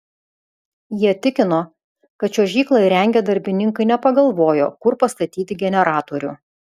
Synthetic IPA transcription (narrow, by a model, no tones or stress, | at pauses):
jiɛt̪ʲɪkʲɪnoː | kɐt̪t͡ʃʲoːʒʲiːklˠɐɪɾʲɛŋʲɡʲed̪ɐɾʲbʲɪnʲɪŋkɐɪnʲɛpɐɡɐlˠʋoːjo̰ːkʊɾpɐst̪ɐt̪ʲiːt̪ʲɪɡʲɛnʲɛɾɑːt̪oːɾʲʊ̰